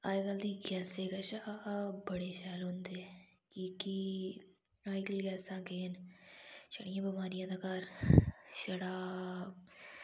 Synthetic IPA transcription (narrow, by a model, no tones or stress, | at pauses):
aːjɡɐld̪iɡɛːseːkaʃabɐɽeʃɛːlõnd̪e | kiːki | aːiɡəlɡɛːsãːkeːn | ʃɐɽijãːbɐmaːɾijãːd̪ɐkaɾ | ʃɐɽaː